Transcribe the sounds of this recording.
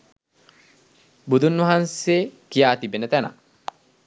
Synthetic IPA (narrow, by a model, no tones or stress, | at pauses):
bud̪unːuɐɦanseːkijaːt̪ibenɐt̪ɐnɐ̰